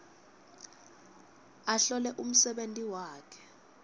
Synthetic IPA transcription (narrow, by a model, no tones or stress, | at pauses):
aɬɔlɛʔum̩sɛɓentʼiwaːkʰɛ̥